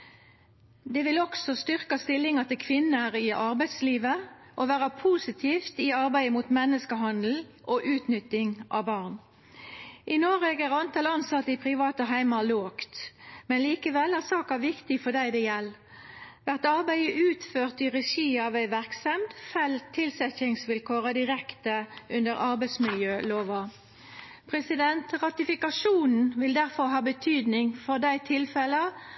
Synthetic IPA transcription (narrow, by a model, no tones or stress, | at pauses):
d̪ɛʋɪlɔksɔst̪ʏʁkɑst̪ɪlɪŋɑt̪ɪlkʰʋɪnːəʁɪʔɑʁbæɪd̪sliːʋəʔɔʋæːʁəpʰuːsɪt̪ʰiːft̪ɪɑʁbæɪəmuːt̪mɛnːəskəɦɑnd̪l̩ʔoʔʉːt̪nʏt̪ːɪŋʔɑ̰ʋbɑːʁn | ʔɪnoːʁeːɡæʁɑnt̪ʰɑlɑnsɑt̪ːəɪpʰʁɪʋɑːt̪əɦæɪmɑloːkt̪mɛnliːkəʋɛlæːsɑːkɑæʋɪkt̪ɪfɔd̪æɪd̪eːjɛlː | ʋæʁt̪ɑʁbæɪəʔʉːt̪føːʁt̪ɪʁɛʃiːɑʋæɪʋæʁksɛmd̪fɛlt̪ʰːɪlsɛçɪŋsʋɪlkʰoːʁəd̪ɪʁɛkt̪əʔʉnd̪əʁɑʁbæɪsmɪljøːloːʋɑ | pʰʁɛsɪd̪ɛnt̪ʁɑt̪ɪfɪkɑʂuːnn̩ʋɪld̪æʁfɔʁɦɑːbət̪ʰyːd̪nɪŋfɔʁd̪æɪt̪ʰɪlfɛlə